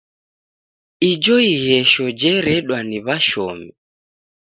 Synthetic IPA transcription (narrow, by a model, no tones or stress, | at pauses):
id͡ʒɔiɣɛʃɔd͡ʒɛɾɛɗwaniβaʃɔmi